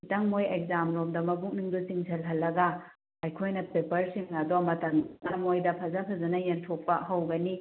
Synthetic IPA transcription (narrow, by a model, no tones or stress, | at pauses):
itɐŋmojek̚zamlomdɐmɐbuk̚niŋdusiŋsʰɐlɦɐlːɐɡɐ | ajkʰojnɐpepɐɾsiŋnadomɐtɐŋnɐmojdɐpʰɐzɐpʰɐzɐnɐjentʰok̚pɐɦɐwɡɐni